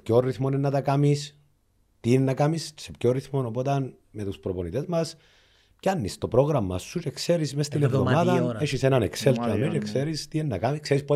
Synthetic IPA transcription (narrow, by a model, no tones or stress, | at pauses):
pcorːiθmonenːɐt̪ɐkamis | t̪innːɐkamissepcorːiθmo̞no̞pot̪ɐn | met̪uspɾoponit̪e̞zmɐs | cɐnːist̪o̞pɾo̞ɣɾɐmːɐ̰sːut͡ʃekse̞ɾismest̪inevðomaðɐeʃisenɐnekselt̪oamet͡ʃekseɾist̪ienːɐkamikseɾispo